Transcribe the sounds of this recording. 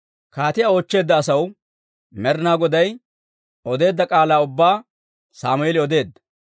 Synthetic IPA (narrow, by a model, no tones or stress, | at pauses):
kaːt̪ɪjaːoːt͡ʃːe̞ːd̪ːɐːsɐw | mɛɾnaːɡɔd̪ɐj | ɔd̪e̞ːd̪ːɐkʼaːlaːʊbːaː | saːmʊjɛlɪɔd̪e̞ːd̪ːɐ̥